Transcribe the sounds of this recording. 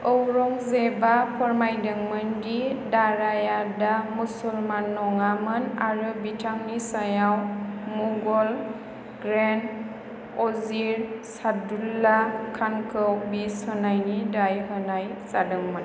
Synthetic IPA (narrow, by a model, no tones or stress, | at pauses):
ɔwɾɔŋzebapʰɔɾmajdɯŋmɯndidaɾajadamusulmanːɔŋamɯnaɾɯbitʰaŋnisajawmuɡɔl | ɡɾen | ɔziɾsadulːakʰankʰɯwbishɯnajnidajɦɯnajsadɯŋmɯn